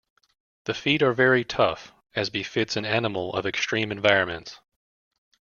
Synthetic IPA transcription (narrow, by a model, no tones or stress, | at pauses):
ðɨfiɾə˞vɛɹitʰʌf | ɨzbɨfɪtsɨ̃nænəml̩ˠʌ̰vɨkstɹ̥ĩmɨ̃ɱvaɪɹɨ̃nmɨ̰̃nts